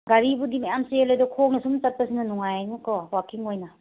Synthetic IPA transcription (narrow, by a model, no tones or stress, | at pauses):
ɡaɾibudimajamsielajdɔkʰoŋnisumt͡ʃɐt̚pɐsinɐnuŋajajnikɔwakʰiŋojna